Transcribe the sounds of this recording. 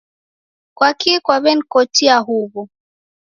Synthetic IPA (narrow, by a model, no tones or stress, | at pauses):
kwakikwaβɛnkɔtiaɦuβɔ